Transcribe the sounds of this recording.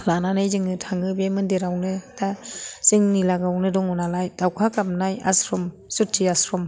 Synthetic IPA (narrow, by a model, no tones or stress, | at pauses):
lananajzɯŋɯtʰaŋɯbemɯndeɾawnɯdaz̥ɯŋnilaɡawnɯdɔŋunalajd̥awkʰakap̚naja̰sɾɔm | sutʰːiasɾɔm